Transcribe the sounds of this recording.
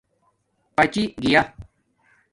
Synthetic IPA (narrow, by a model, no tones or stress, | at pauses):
pɐt͡ɕiɡija